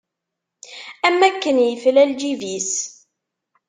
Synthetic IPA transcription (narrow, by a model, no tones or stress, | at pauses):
æmːækːənjəflæld͡ʒivis